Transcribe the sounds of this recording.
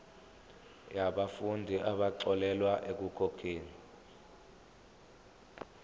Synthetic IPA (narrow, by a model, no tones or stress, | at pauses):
jaɓafundʱiʔaɓaǀɔlɛlwaʔek̬ukʰɔkʰeːni